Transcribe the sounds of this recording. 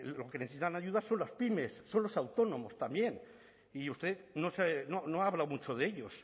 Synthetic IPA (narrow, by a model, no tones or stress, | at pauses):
lo̞keneθesit̪anaʝuðaso̞nlaspime̞sːo̞nlo̞sawt̪o̞nõ̞mo̞st̪ambje̞n | iust̪e̞ðnosenonoaːβlawmut͡ʃoðeʎo̞s